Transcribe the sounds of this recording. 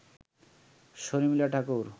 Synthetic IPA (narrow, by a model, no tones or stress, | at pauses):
soɾimilaʈʰakoɾ